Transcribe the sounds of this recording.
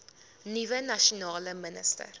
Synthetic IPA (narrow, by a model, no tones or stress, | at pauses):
nivənɐʃunɑːləmənə̰stə̰r